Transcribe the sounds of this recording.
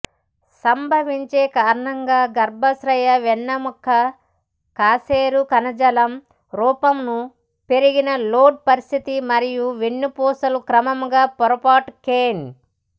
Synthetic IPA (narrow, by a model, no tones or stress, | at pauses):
sɐmbʱɐʋiɲt͡ʃe̞ːkaːɾɐɳɐŋɡaːɡɐɾbʱɐsɾɐjɐʋɛnːɐmukʰːɐ | kaːseːɾukɐnɐd͡ʒɐlɐm | ɾuːpɐmnu | pe̞ɾiɡinɐloːɖ̚pɐɾist̪ʰit̪imɐɾijuʋenːupɔːsɐlukɾɐmɐmɡaːpɔɾɐpaːʈkeːn